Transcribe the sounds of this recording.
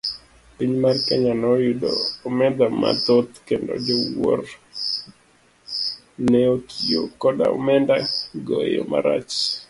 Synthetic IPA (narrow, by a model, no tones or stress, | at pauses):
piɲmarkɛɲanɔjudoːmɛd̪ama̰t̪ot̪kendo̰d͡ʒewor | nnɛokʰiokɔda̰ɔ̰mɛndaɡojo̰maɾat͡ʃ